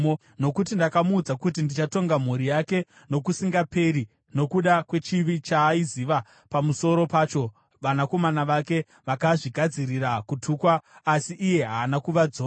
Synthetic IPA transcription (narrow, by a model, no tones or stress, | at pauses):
o | no̞kut̬indakamuːd͡zakut̬indit͡ʃato̞ŋɡam̤uɾijake̞ | no̞kusiŋɡape̞ɾi | no̞kuɗakwe̞t͡ʃiʋit͡ʃaːiziʋa | pamuso̞ɾo̞paːt͡ʃo̞ | ʋanako̞manaʋake̞ | ʋakaʐiɡʱad͡zirirakutʰuːkwaːsiʔːje̞ɦaːnakuʋad͡zoː